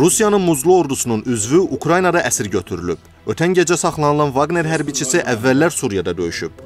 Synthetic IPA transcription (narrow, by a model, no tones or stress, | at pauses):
ɾusijɑnɯnmuzlˠuo̞ɾd̪usununyzvyʔukʰɾɑjnɑd̪ɑʔæsiɾɟø̞t̪ʰyɾylyb̚ | øt̪ʰænɟed͡ʒæsɑχlˠɑnɯlˠɑnvɑɡne̞ɾɦæɾbit͡ʃʰisiʔævːælːæɾsuɾjɑd̪ɑd̪ø̞̰jyʃyb̚